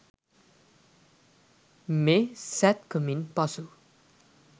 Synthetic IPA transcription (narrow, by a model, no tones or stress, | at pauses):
mesɛt̪̚kuminpʌsu